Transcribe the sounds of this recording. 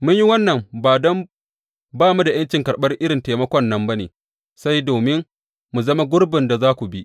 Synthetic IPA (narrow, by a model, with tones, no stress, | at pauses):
mʊ˦ɲji˦wɐ˦nːɐ˨mbaː˨dɔ˦m | baː˦˨mu˦da˨jɐ˦nt͡ʃɪ˨ŋkɐ˨ɽɓɐ˦rʔɪ˦ɽɪ˨nteː˨mɐ˦kʷɔ˦nːɐ˦mba˦nḛː˨ | sa˦jdoː˨mɪ˦n | mu˨zɐ˦ma˦ɡʷʊ˦ɽbɪ˨nda˨zaː˦kʷu˨bi˦ʔ